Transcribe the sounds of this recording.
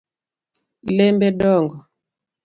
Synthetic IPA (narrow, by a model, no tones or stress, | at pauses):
lɛmbɛɗɔŋɡɔ